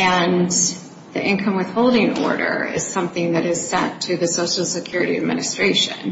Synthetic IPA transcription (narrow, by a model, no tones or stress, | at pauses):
ɨ̃n | ðiʔɪ̃nkʰʌ̃mwɨð̥hoʊlˠdɪ̃ŋ̃nɔ̰ɹɾə̰˞ɪ̰z̥sʌ̃mθɪ̃ŋðɨɾɨz̥sɛ̰̃ntʰɨðɨsoʊʃl̩ˠsɨkʰj̥ʊɹɨɾiɨd̚mɪ̰nɨstɹ̥eɪʃɨ̰̃n